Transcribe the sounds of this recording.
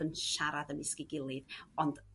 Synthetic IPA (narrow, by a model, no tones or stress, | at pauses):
ənʃaɾaðənɪskɪɡɪlˠɨðɔnd